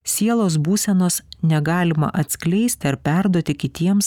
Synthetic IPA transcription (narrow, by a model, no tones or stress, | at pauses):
sʲiɛlˠoːsbuːsʲɛnoːsnʲɛɡɑːlʲɪmɐ̰ʔɐt̪ʲsʲkʲlʲɛɪsʲt̪ʲɪɐɾpʲæɾd̪uɔt̪ʲɪkʲɪt̪ʲiɛms